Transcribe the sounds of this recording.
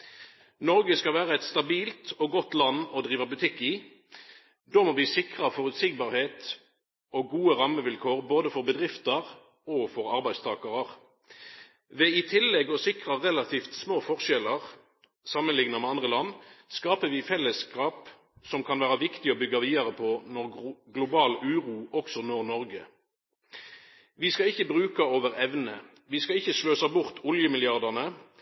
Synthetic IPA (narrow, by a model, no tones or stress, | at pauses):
nɔʁɡəskɑʋæːʁəɛt̪st̪ɑbiːlt̪ɔɡɔt̪lɑnːɔd̪ʁiːʋəbʉt̪ʰɪkːɪ | d̪ɔːmɔʋiːsɪkʁəfɔʁʉt̪sɪɡ̚bɑːʁheːt̪ | ɔɡuːəʁɑmːəʋɪlkʰoːʁboːd̪əfɔʁbəd̪ʁɪft̪əʁ | ɔfɔʁɑɾbæɪst̪ʰɑːkɑʁəʁ | ʋɛɪt̪ʰɪlːɛɡɔsɪkʁəʁɛlɑt̪ʰiːft̪smoːfɔʁʃɛləʁ | sɑmənlɪŋnəmɛɑnd̪ʁəlɑnːskɑːpəʋɪfɛlːəskɑːp | sɔmkʰɑnʋæːʁəʋɪkt̪ɪɔbʏɡːɑʋiːd̪ɑʁəpʰɔnɔʁɡlʊbɑːlʉːʁuːʔɔksɔnoːʁnɔʁɡə | ʋɪskɑɪçːəbʁʉːkɑoːʋəʁɛʋnə | ʋɪskɑɪçːəʃløːsɑbʊʁt̪ʰʊljəmɪlɪɑʁd̪ɑʁnə